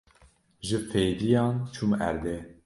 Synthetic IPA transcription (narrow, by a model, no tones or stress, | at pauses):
ʒɨfejd̪ijɑːnt͡ʃʰumæ̰ɾd̪e